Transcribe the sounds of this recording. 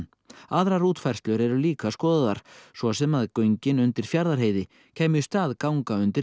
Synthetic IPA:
aðɾaɾuːt̪fajr̥st̪lʏɾɛɾʏliːkaskɔːðaðaɾ̥svɔsɛmaðkœɥɲcɪnʏnt̪ɪɾ̥fjaɾðaɾ̥ɦeːjðɪ | cʰɛːmjʏst̪aːðkawŋkaʏnt̪ɪɾ

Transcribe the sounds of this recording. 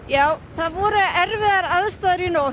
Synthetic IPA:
jaːwθaðvɔɾʏɛɾvɪðaɾaðst̪aːðɾino

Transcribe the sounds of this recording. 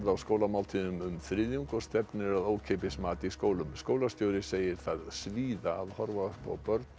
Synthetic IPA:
ðawskowlamawlt̪ʰiːðʏmʏmfɾɪðjuŋkɔst̪ɛpnɪɾaðoːwcʰeːpɪsmaːt̪ɪiskoːwlʏmskoːwlast̪joːwɾɪseːjɪɾ̥θaðsviːðaːðhɔɾvaðaspa̰wpœɾt̪

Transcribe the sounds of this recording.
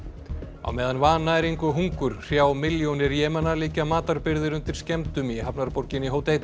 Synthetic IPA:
a̰wmɛːðanvaːnaɛɾeŋkvʏɦuŋkʏɾ̥r̥jaːwmɪljownɪɾjɛːmɛnaliːcamaːt̪aɾpɪɾðɪɾʏnt̪ɪɾ̥scɛmt̪ʏmiɦapnaɾpoɾcɪniɦoːwt̪eːjt̪a

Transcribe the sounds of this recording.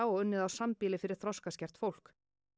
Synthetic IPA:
awʏnːɪðawsampiːlɪfɪɾɪɾ̥θɾɔskascɛr̥t̪fowl̥k

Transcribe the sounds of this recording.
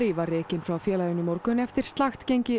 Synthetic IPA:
ɾivarɛːcɪnfɾawfjɛːlajɪnːʏmɔɾkʏnɛft̪ɪɾ̥st̪laxt̪cejɲcɪ

